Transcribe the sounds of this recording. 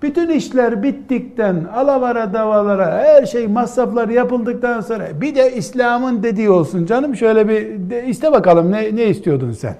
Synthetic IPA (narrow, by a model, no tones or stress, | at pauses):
b̥yt̪yniʃlʲæɾbit̪ːik̚t̪ænalˠavaɾad̪avalˠaɾahæɾʃejmasːaflˠaɾɯjapɯlˠd̪ɯk̚t̪anso̞ːɾa̰bid̪ɛislʲaːmɯnd̪e̞d̪iːo̞lˠsund͡ʒanɯmʃø̞jlʲɛbiist̪ʰɛbakalˠɯmnɛnɛist̪ʰijo̞d̪umsæ̰n